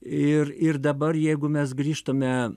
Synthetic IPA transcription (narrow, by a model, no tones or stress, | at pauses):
ɪrɪrd̪ɐbɐrjɛɪɡʊmʲɛsɡrʲiːʃt̪ɐmʲɛ